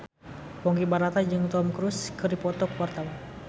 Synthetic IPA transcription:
pɔŋɡibaɾat̪ad͡ʒɨŋt̪ɔmkɾuskɨrdipɔt̪ɔkwart̪awa

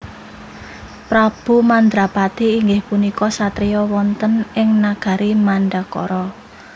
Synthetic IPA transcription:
pɾab̥ṳmand̪ɾapat̪iːŋɡɪhpunikɔsat̪ɾijɔwɔnt̪ənɪŋnaɡ̥a̤ɾimaɳɖakɔ̰ɾɔ

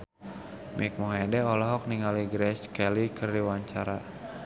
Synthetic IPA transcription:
mik̚mɔɦɛdɛɔlɔɦɔk̚niŋaliɡɾɛskɛlikɨrdiwaɲt͡ʃaɾa

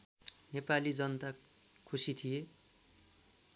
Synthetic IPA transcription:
nepalid͡zʌnt̪a | kʰusit̪ʰije

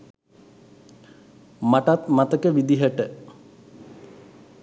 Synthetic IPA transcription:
maʈat̪mat̪əkəʋid̪iɦəʈə

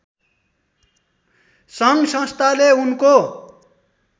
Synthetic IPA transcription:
sʌŋɡsʌ̃st̪ʰaleunko

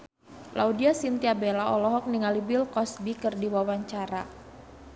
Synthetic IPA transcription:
lʔaudiasint̪iabelaɔlɔɦɔk̚niŋalibɪlkɔsbikɨrdiwawaɲt͡ʃaɾa

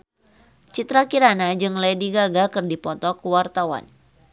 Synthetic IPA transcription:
t͡ʃit̪ɾakiɾanad͡ʒɨŋlajdiɡaɡakɨrdipɔt̪ɔkuwart̪awa̰n

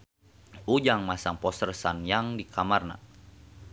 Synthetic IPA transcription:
ud͡ʒaŋmasaŋpɔsərsanjaŋdikʰamarna̰

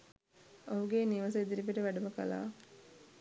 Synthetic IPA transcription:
oɦuɡeːniʋɐs̬ɐid̪iɾipiʈəʋæɖuməkɐ̰la̰ː

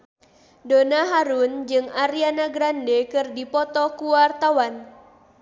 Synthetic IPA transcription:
donaɦaɾund͡ʒɨŋaɾianaɡɾandɛkɨrdipɔt̪ɔkuwart̪awan

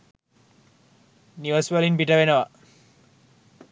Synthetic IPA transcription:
niʋəsʋɐlinbiʈɐʋenəʋa

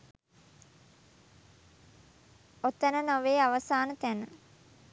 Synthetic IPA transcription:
ot̪ːənənoʋeːaʋɐsaːnət̪ænə

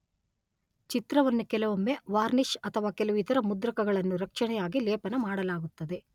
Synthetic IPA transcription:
t͡ʃit̪ɾɐʋɐnːukɛlɐʋɐmːeʋaːɾniʂɐt̪ʰɐʋaːkɛluʋit̪ɐɾɐmud̪ɾɐkɐɡɐɭɐnːuɾɐkʂɐɳɛjaːɡilɛːpɐnɐmaːɽɐlaːɡut̪ːɐd̪e̞

